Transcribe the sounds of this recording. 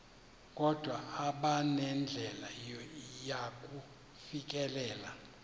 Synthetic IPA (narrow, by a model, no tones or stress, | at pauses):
k̬ʼɔd̥ʱwaːɓanɛnd͡ɮʱɛlajakʼu | fik̬ʼɛlɛːla